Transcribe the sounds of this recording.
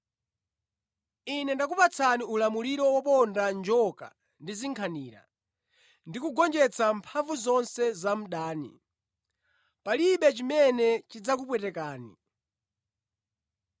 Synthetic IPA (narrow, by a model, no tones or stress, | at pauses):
inɛndakupat͡sʰaniulamuliɾɔwapɔndand͡ʒɔka̰ | ndiziŋkʰaniːɾa̰ | ndikuɡɔnd͡ʒɛt͡sampʰaɱvuzɔnsɛzam̩ɗaːnḭ | paliɓɛt͡ʃimɛnɛt͡ʃid͡zak̬up̬wɛtɛkaːnḭ